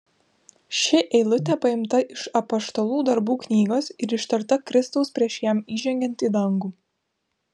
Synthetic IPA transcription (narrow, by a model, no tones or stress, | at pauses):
ʃʲɪʔɛɪlˠʊt̪ʲɛpɐɪmt̪ɐʔɪʃɐpɐst̪olˠuːd̪ɐɾbuːknʲiːɡoːsɪɾɪʃt̪ɐɾt̪ɐkɾʲɪst̪ɐʊspʲɾʲiɛʃjæmiːʒʲɛŋʲɡʲɛnt̪iːd̪ɐŋɡuː